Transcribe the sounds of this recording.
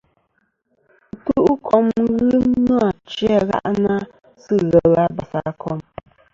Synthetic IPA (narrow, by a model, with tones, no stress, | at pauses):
tu˦ʔu˦kʰɔ˦mɣɨ˦nɔ˦a˨t͡ʃi˦a˦ɣa̰˦ʔna˦ | sɨ˦ɣɛ˨la˦ba˨sa˨kʰɔ˦m